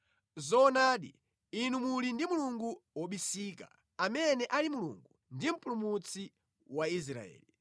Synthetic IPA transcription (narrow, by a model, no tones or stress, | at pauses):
zɔːnaːɗḭ | inumulindimuluŋɡuwɔɓisiːka̰ | amɛnɛʔalimulṵŋɡu | ndim̩pʼulumut͡sʰi | wais̬ɾa̰ɛ̰ːli